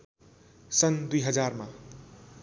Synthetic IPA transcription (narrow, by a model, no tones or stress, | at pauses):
sʌnd̪ujɦʌd͡zarma